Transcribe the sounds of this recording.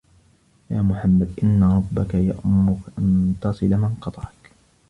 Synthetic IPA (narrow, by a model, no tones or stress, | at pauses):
jaːmʊħamːad̪ʔɪnːaɾˤɑbːakaja̰ʔʊmːʊkʔant̪ɑsˤɨlamɪnqɑt̪ˤɑʕɑk